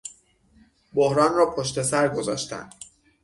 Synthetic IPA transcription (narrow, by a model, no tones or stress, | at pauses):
bohɾɒːnrɒːpʰoʃt̪e̞sæɾɡozɒːʃt̪æ̰nd̪̥